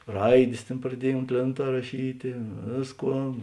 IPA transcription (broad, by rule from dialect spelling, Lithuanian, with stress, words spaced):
ˈrɐɪdʲeːs ˈtʲeːn prɐˈdʲiɛj ʊnt ˈlʲeːnˌtɑː rɐˈʃʲiːtʲeː ˈʋʲeːsˌkuɔ